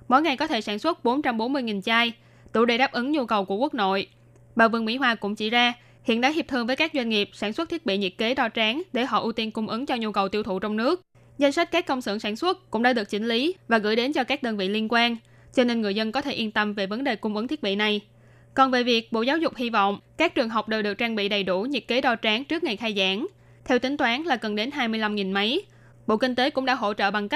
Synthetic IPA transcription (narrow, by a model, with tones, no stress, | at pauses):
mo˨˦jŋa˨˩jkɔ˨˦t̪ʰe˧˩saː˧˩nswə˦˥t̚ɓo˨˦nt͡ɕa˧mɓo˨˦nmɨ˧əjŋi˨˩nt͡ɕaː˧j | t̪ṵ˧˩ɗe˨˧˩ɗaː˦˥p̚ʔɨ˨˦ŋɲu˧kə˨˩wku˧˩əku˦˥ək̚no̰˧˨j | ɓa̰ː˨vɨ˧əŋwḭ˧˥ɦwaː˧˩kʊ̰˧˥ŋ͡mt͡ɕi˧˩zaː˧ | hḭ˧˨ənɗa̰ː˧˦ɦi˨˩p̚t̪ʰɨ˧əŋvəː˨˦jkaː˦˥k̚zwa˧ŋŋi˨˩əp̚saː˧˩nswt̚t̪ʰi˦˥ət̚ɓḭ˧˨ɲḭ˧˨əke˨˦ɗɔ˧t͡ɕaː˨˦ŋɗe˧˩ɦɔ̰˧˨ʔu˧t̪i˧nkʊ˧ŋ͡mʔɨ˨˦ŋt͡ɕɔ˧ɲu˧kə˨˩wt̪i˧əwt̪ʰṵ˧˨t͡ɕɔ˧wŋ͡mnɨ˦˥ək̚ | za˧jŋ̟sa˦˥t̟̚kaː˦˥kːə˧wŋ͡msɨ̰˧˩˨ŋsaː˧˩nswə˦˥t̚kʊ̰˧˥ŋ͡mɗaː˧˥ɗɨ˨˩ək̚t͡ɕï˨˦ŋ̟li˨˦vaː˨˩ɣɨ̰˧˥jɗe˨˦nt͡ɕɔ˧kaː˦˥k̚ɗəː˧nvḭ˧˨li˧ənkwaː˧n | t͡ɕɔ˧ne˧nŋɨ˨˩əzə˧nkɔ˨˦t̪ʰe˧˩ʔi˧ənt̪ə˧mve˨˩və˨˦nɗe˨˩kʊ˧ŋ͡mʔɨ˨˦ŋt̪ʰi˦˥ət̚ɓḭ˧˨na˨˩j | kɔ˨˩nve˨˩vi˨˩ək̚ɓo̰˧˨zaː˨˦wzʊ˨˩k͡p̚hi˧vɔ̰˧˨wŋ͡mkaː˦˥k̚t͡ɕɨ˨˩əŋɦa˨˩wk͡p̚ɗəː˨˩ɗɨ˨˩ək̚t͡ɕaː˧ŋɓḭ˧˨ɗə˨˩jɗu˧˩ɲḭ˨˩t̚ke˨˦ɗɔ˧t͡ɕaː˨˦ŋt͡ɕɨ˦˥ək̚ŋa˨˩jxaː˧jzaː˧˩˦n | t̪ʰɛ˧wt̪ï˨˦ŋ̟t̪waː˨˦nlaː˨˩ɣə˨˩nɗe˨˦nɦaː˧jmɨ˧əjla˧mŋi˨˩nma˨˦j | ɓo̰˧˨kï˧ŋt̪e˨˦kʊ̰˧˥ŋ͡mɗa̰ː˧˥ɦo̰˧˥t͡ɕə̰ː˧˨ɓa˨˩ŋka˦˥